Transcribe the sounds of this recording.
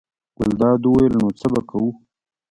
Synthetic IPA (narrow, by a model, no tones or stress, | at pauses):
ɡ̥ʊld̪ɑːd̪uwajəlnot͡səbakʰawu